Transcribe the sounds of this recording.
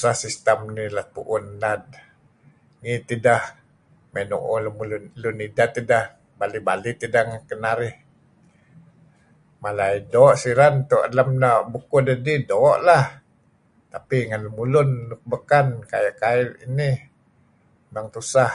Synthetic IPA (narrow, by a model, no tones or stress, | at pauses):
usahsist̪əmnilapṵʔʊnlad̚ | ŋit̪idah | menṵʔolumulʊnlunidat̪idah | balibalit̪idaŋkənaɾɪh | malaidoːʔsiɾant̪uʔa̰lamnaʔbukudadidoːʔlah | t̪apiŋanləmulʊnːuk̚bəkanka̰jaʔkairini | naŋt̪usah